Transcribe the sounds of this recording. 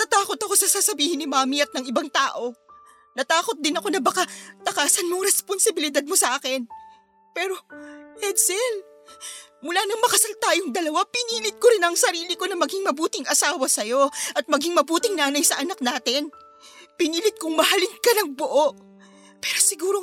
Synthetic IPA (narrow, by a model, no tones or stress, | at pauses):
t̪at̪aːko̞t̪ɐko̞sɐsaːsɐbiːhɪnɪmaːmiɐt̪nɐŋɪbaŋt̪aːʔo̞ | nɐt̪aːko̞t̪̚d̪ɪnɐko̞nɐbɐkat̪ɐkaːsɐnmʊŋɾɛsponsɪbɪlɪd̪ad̪̚mosɐʔaːkɛn | pɛːɾo̞hɛd̪sɛl | mʊlaːnɐŋmɐkɐsalt̪aːjoŋd̪ɐlɐwapɪniːlɪt̪̚koɾɪnɐŋsɐɾiːlɪko̞nɐmɐɡɪŋmɐbuːt̪ɪŋʔɐsaːwɐsɐjo̞ʔɐt̪̚mɐɡɪŋmɐbuːt̪ɪŋnaːnɐjsɐʔɐnɐk̚naːt̪ɪn | pɪniːlɪt̪̚kʊŋmɐhɐlɪŋkɐnɐŋboʔo̞ʔ | pɛːɾo̞sɪɡuːɾo